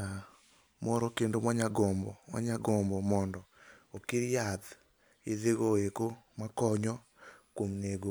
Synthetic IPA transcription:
a | mɔɾɔkendomaɲaɡɔmbɔmwa̰ɲaɡɔmbɔmɔndɔokiɾjad̪ | ɪðeɡoekomakɔɲɔ | kwomneɡo

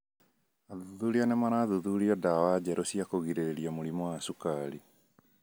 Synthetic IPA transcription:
aðuðuɾianɛmaɾaðuðuɾiɔdawad͡ʑɛɾosiakoɣiɾeɾeɾiamoɾimɔwaːsukaɾi

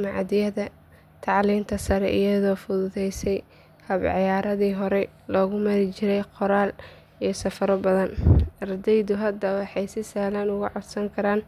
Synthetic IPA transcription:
mɑʕd̪ɪjɐðɐ | t̪ʰɑʕliːmt̪ʰɐsɐɾɛ̰ʔɪ̰jɐðɔːfʊðʊðɛjsɛj | hɐbʕɪjaːɾɐðiːɦɔɾɛ | lɔːɣʊmɐɾɪt͡ʃɪɾɛjqɔɾaːl | ijɞsɐfɐɾɔbɐðɐnɐrd̪ɛjðʊɦɐd̪ɐwɑħɑjsɪsaːhlɐnʊɣʊʕɔd̪sɐŋkʰɐɾaːn

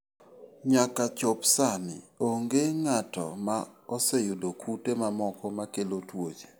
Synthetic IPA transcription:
ɲakat͡ʃopsanɪ̰oŋɡeŋatɔ̰maɔsejudokʰutemamɔkɔmakelotwod͡ʒe̥

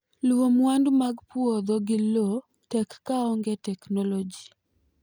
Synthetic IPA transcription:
lwomwandmaɡpwod̪ɔɡɪlo | tɛkːaɔŋɡetɛknɔlod͡ʒi

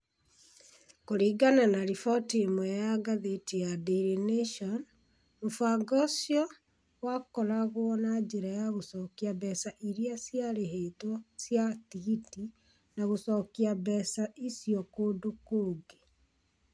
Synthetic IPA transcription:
koɾiːɡananaɾifɔtiemwɛjaɡaðetijadiɾeneʃɔn | ɾufaɡɔsjɔ | wakɔɾaɣwɔnad͡ʒeɾajaɣosɔkiabɛsaʔiɾiasjaɾeɦetwɔsjatiɣiti | naɣosɔkiabɛsaʔisjɔkoːdokoːɡe

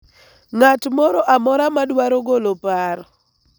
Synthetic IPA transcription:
ŋatmɔɾɔʔamɔɾamadwaɾɔɡolopaɾɔ

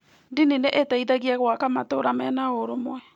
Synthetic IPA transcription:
dinineʔetaiðaɣiɛɣwakamatoɾamɛnaoɾomwɛ

